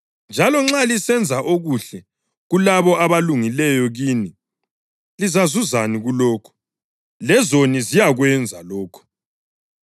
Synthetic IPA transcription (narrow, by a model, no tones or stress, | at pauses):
nd͡ʒʱalɔŋ͡ǁalisɛnd͡zʱaʔoɣuɬɛ | ɣulaβɔʔaβaluŋilɛjɔɣiːni | lizazuzaniɣulɔːkʰɔ̥ | lɛzonizijaɣwɛnd͡zʱalɔːkʰɔ̥